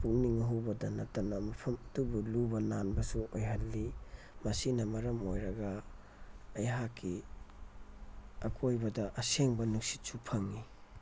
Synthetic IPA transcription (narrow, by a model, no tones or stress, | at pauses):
puŋniŋɐɦuwbɐdɐnɐtːɐnɐmɐpʰɐmɐtubulubɐnanbɐsuʔojɦɐlːi | mɐsinɐmɐɾɐmojɾɐɡɐː | jɦakʰːi | ɐkʰojbɐdɐʔɐseŋbɐnuksi̥t̚supʰɐŋːi